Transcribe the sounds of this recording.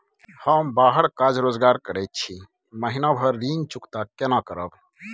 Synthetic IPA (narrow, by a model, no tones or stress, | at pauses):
həmbaɦəɽkad͡ʒɾod͡ʒɡaɾkəɽɛt̪̚t͡ʃʰi | məɦinabʱəɾːint͡ʃukt̪akenakəɾəb